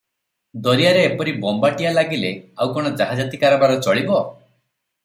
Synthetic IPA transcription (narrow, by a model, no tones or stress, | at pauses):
d̪ɔɾijaɾeːpɔɾibɔmbaʈijalaɡileawkɔɽ̃ɔd͡ʒaɦad͡ʒat̪ikaɾɔbaɾɔt͡ʃɔɭibɔ